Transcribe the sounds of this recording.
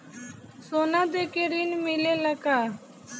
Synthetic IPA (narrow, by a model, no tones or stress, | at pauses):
soːnãːd̪eːkeɾiːnmɪleːləkaː